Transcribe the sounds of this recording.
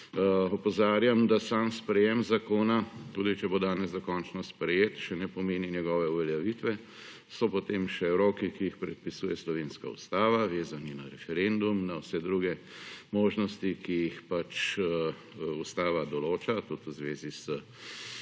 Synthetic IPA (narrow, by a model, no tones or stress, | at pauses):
ɔpɔzaːɾjamd̪asaːmspɾɛjɛmzakoːnat̪uːd̪it͡ʃɛbod̪aːnɛzd̪ɐkɔnt͡ʃnɔspɾɛjeːt̪ʃɛnɛpɔmeːninɛɡɔːʋɛuʋɛljaʋit̪ʋɛ | sɔpɔt̪emʃɛɾoːkikijixpɾɛt̪̚pisuːjɛslɔʋeːnska̰ṵst̪aːʋaʋeːzanina̰ɾɛfɛɾend̪umnawsɛd̪ɾuːɡɛ | moːʒnɔst̪ikijixpat͡ʃ | ust̪aːʋad̪ɔloːt͡ʃat̪ut̪əzʋeːzisə